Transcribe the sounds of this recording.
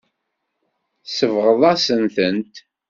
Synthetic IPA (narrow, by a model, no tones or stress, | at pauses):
səvʁəðˤæsənθənt̪